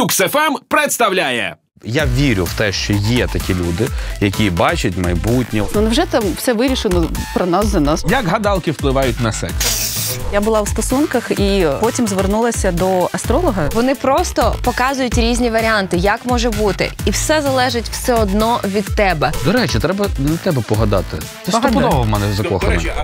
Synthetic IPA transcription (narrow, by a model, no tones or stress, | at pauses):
uksɛfɛmpɾɪt̪st̪ɐwlʲajɛ̰ | jaʋʲiɾʲʊ̰wt̪ɛʃt͡ʃɔjɛt̪ɐkʲilʲud̪ɪjɐkʲibɑt͡ʃɐtʲmɐjbutʲnʲinwʒɛt̪ɛmwsɛʋɪɾʲiʃɪnɔpɾɔnɑszʲɐnɑsjɐkɦɐd̪ɑlˠkɪwplˠɪʋɑjʊtʲnɐsɛ̰ksjabʊlˠɑwst̪ɔsunkɐxipɔtʲimzʋernulˠɐsʲɐd̪ɔɐst̪ɾɔlˠɔɦɐʋɔnɪpɾɔst̪ɔpɔkɑzʊjʊtʲɾʲizʲnʲiʋɐɾʲɪɑnt̪ɪjakmɔʒɛbut̪ɪ̰iwsɛzɐlˠɛʒɪtʲw̥sɛɔd̪nɔʋʲid̪ːɛbɛd̪ɔɾɛt͡ʃɛt̪ɾɛbɐnɐt̪ɛbɛpɔɦɐd̪ɑ̰t̪ɪ | sɛɐpɔd̪ɔɐmɛnɛzɐɔxɐ̰nɐ